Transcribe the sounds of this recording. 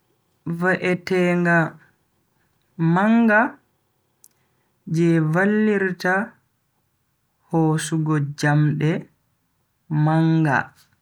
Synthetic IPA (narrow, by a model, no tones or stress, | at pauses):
vaʔɛtɛːŋɡa | maŋɡa | d͡ʒɛvalːiɾta | hɔsuɡɔd͡ʒamɗɛ | maŋɡa̰